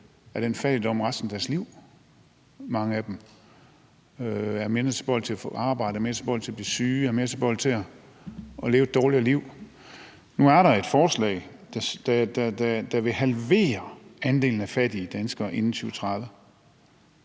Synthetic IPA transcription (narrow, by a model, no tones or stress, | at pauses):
æɐɾ̥enfæɐd̥id̥ɒ̽m̰ʁasd̥n̩d̥æɐsliʊ̰ | mɑ̈ŋəæd̥em | øæɐmensb̥ɒ̽l̰t͡sʰe̝æfɑ̈ːb̥ɑ̈ɪ̰ɾ̥əme̝ɐseb̥ɒ̽l̰t͡sʰe̝ɐb̥liːsyːæɐme̝ːɐsʰeb̥ɒ̽l̰t͡sʰe̝ | le̝ːʊed̥ɒːliɐliʊ̰ | nuæɐɾɑ̈e̝d̥fɒːslɛ̰ːɪd̥æd̥æd̥æd̥æd̥ɑ̈ʋe̝hælʋe̝̰ːɐænd̥e̝̰ːln̩æfædiəd̥ænsɡ̥ɐʔe̝nn̩t͡sʰyːət͡sʰʁɑðˠʋə